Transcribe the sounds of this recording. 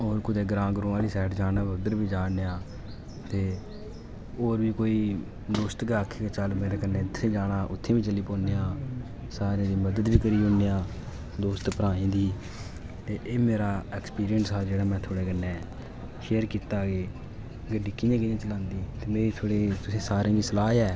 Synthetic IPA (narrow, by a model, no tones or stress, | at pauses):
oːɾkʊd̪eːɡɾãːɡɾõːaːliːsɛːʈʰd͡ʒaːnaːbəɡd̪əɾbiːd͡ʒaːnejãː | t̪eː | oːɾʋiːkoːiː | d̪oːst̪kɛːaːkʰːeːket͡ʃəlmeːɾeːkənːẽːɪt̪ʰːeːd͡ʒaːɽaːʔʊt̪ʰːẽːʋĩːt͡ʃəlːiːpõːneːãː | saːɾẽːd̪iːməd̪əd̪biːkəɾiːɦoːnejãː | d̪oːst̪pəɾaːĩːd̪iː | t̪eːʔeːmeːɾaːeːkspiːɾɪjənsaːd͡ʒeːɽaːmɛ̃ːt̪ʰoːɽeːkənːeː | ʃeːəɾkiːt̪aːɡeː | ɡəɖiːkːɪjãːkɪnãːt͡ʃəlãːnd̪iːt̪eːmeːɾiːt̪ʰoːɽeːt̪ʊsĩːsaːɾẽːɡiːsəlaːɛː